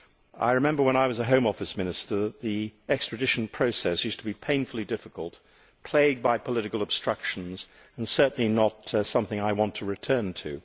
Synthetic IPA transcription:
ʔa̰ɪɹɨmɛ̃mbə˞wə̃ñaɪwʌzəɦõʊ̃mɔfɨsmɪ̃nɨstə˞ðət̪̚ðiɛkstɹ̥ɨdɪʃn̩pʰɹ̥oʊsɛsjʉstʰəbipʰẽɪ̃nfl̩ˠidɪfɨkəl̩ˠt̚ | pʰl̥eɪd̚baɪpʰəlɪɾɨkl̩ˠəb̥stɹ̥ʌkʃn̩z | ɨ̃n̩sɜ˞ʔn̩linətsʌ̃mθɪ̃ŋaɪwɑ̃ntʰɨɹɨtʰɜ̃˞ntʰʉ̰

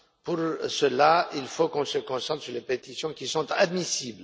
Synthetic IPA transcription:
puʁsəlailfokɔ̃səkɔ̃sɑ̃t̪χsyʁlepet̪isjɔ̃kʲisɔ̃t̪ad̪misibl

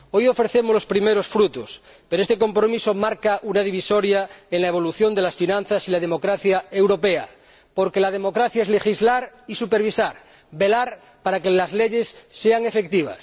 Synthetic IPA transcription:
ojo̞fɾeθe̞molo̞spɾimeɾo̞sfɾut̪os | peɾest̪eko̞mpɾo̞miso̞maɾkaʔunaðiβ̞iso̞ɾjaenlaeβ̞o̞luθjo̞nd̪elasfinãnθasilaðemo̞kɾaθjae̞wɾo̞pea̰ | po̞ɾke̞lað̞e̞mo̞kɾaθjaezle̞xizlaɾisupeɾβisaɾ | be̞laɾ | paɾakelazleʎe̞sːeaŋe̞fek̚t̪iβ̞a̰s

